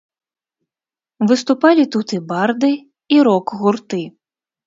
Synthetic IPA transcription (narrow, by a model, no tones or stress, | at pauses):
vɨst̪upalʲit̪ut̪ɨbard̪ɨ | iɾɔkɣurt̪ɨ